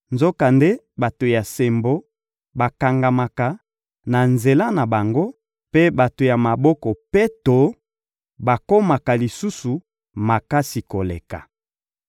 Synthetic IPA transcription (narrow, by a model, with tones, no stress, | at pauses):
nzo˦ka˨nde˦ | ba˨to˨ja˨se˨mbo˦ | ba˨ka˨ŋɡa˨ma˨ka˨ | na˨nze˨la˦na˨ba˨ŋɡo˦ | pe˦ba˨to˨ja˨ma˨bɔ˦kɔ˨pe˦to˨˦ | ba˨ko˦ma˨ka˨li˨su˦su˨ | ma˨ka˦si˨ko˨lḛ˨ka̰˨